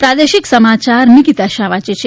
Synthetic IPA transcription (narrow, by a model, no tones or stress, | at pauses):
pɾad̪eʃiksəmat͡ʃaɾmikit̪aʃaʋat͡ʃet͡ʃʰe